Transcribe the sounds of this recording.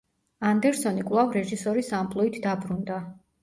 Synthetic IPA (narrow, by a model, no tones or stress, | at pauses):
and̪ɛɾsɔnikʼwlˠavɾɛʒisɔɾisampʼlˠuit̪ʰd̪abɾund̪a